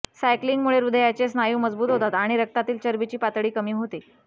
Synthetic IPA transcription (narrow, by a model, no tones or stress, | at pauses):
sajkliŋɡmuɭeɾud̪ʱəjat͡ɕesnajuːməd͡zbuːt̪ɦot̪at̪aɽ̃iɾək̚t̪at̪iːlt͡ɕəɾbit͡ɕiːpat̪ɽiːkəmiːɦot̪i